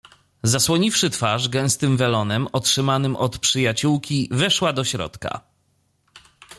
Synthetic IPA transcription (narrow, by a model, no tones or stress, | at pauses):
zaswɔɲifʂɘt̪faʐɡɛ̃w̃st̪ɘmvɛlɔnɛmɔtʂɘmanɘmʔɔt̪pʂɘjat͡ɕuwkʲivɛʂwad̪ɔɕɾɔ̰t̪ka̰